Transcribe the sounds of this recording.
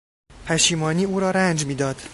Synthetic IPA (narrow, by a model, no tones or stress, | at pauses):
pʰæʃiːmɒːniuːɾɒːɾænd͡ʒmid̪ɒːd̪̥